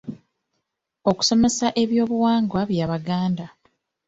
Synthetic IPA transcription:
o̞ku̥so̞me̞saʔe̞βjo̞ːβuwaːŋɡwaβjaːβaɡaːnda

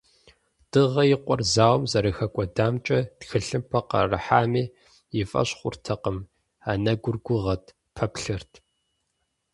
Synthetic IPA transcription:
d̥ɨʁɐjɪqʷɔrzaːwmzɐɾɨxɐkʷʼɔdaːmt͡ʃʼɐtxɨɬɨmpʰɐqɐ̰rɨħaːmiː | jɪfʼɐ̰ɕχʷʊ̰rtʰɐqəm | aːnɐɡʷʊrɡʷʊʁɐtʰ | pʰɐpɬɨrtʰ

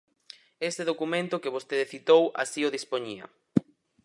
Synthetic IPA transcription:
est̪eðokumẽnt̪ʊkɪβ̞ost̪eðeθit̪owʔa̰sioðispoɲiɐ̰

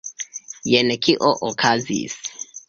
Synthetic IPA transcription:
jenɛkʰiʔoʔokʰazḭs

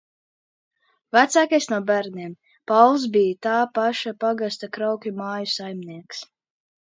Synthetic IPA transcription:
væt̪saːkajsnuɔbæɾniɛm | pawlˠs̬bijat̪aːpaʃapaɡast̪akɾawkʲumaːjusajmniɛks

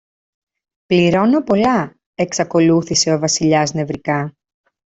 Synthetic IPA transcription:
pliɾo̞no̞po̞lɐ | e̞ksɐko̞luθise̞o̞vɐsiʎɐzne̞vɾikɐ

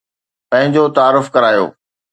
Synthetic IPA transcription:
pɐ̃ɦɪ̃ɲd͡ʑot̪aːɾʊfkɐɾaːjo̰ː

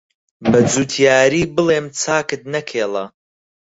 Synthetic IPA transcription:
bɐd͡zuːt̪ʰijaːɾiːbɨleːmt͡sʰaːkɨt̪̚nɐkʰeːlˠɐ

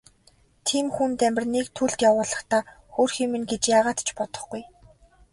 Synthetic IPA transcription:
t̪ʰiːmxunt̪æmʲpʲɪ̆rnekt̪ʰuɮt̪jawʊːɮə̆χt̪aː | xoːrxiːmɘ̆nɡet͡ɕjaːʁaːt̪t͡ɕpɔt̪ɞ̥̆χɡuj

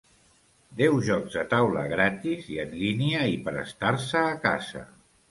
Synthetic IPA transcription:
d̪ɛwʒɔkzd̪ət̪awlə̰ɣɾat̪iziənliniəipəɾə̰st̪arsəːka̰zə̰

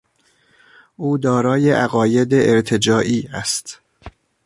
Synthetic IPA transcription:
ʔuːd̪ɒːɾɒːjeʔæɣɒːje̞d̪eʔeɾt̪ʰe̞d͡ʒɒːʔiːæst̪

